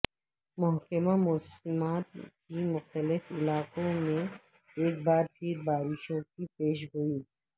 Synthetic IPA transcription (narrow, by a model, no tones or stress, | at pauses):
mʊɦkəmamɔːsmaːt̪kimʊxt̪əlɪfɪlaːkõmẽ | eːk̚baːɾt̪ʰiːɾbaːɾɪʃõkipeːʃ̬ɡʊji